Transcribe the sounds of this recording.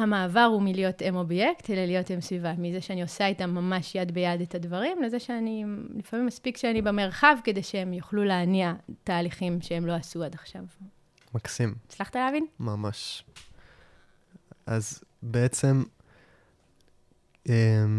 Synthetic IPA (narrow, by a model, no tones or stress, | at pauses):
hamaːvaʁumilijo̞temo̞bjektelalijo̞temsvivamizeʃeanio̞saitamːamaʃjad̪bejad̪etadvaʁimle̞zeʃeanilifamimːaspikʃeanibeme̞ʁχavke̞de̞jʃeemjoχluleaniataːliχimʃeemlo̞asuad̪aχʃav | maksimet͡slaχt̪aleavinmamaʃ | a̰zbeet͡sem | em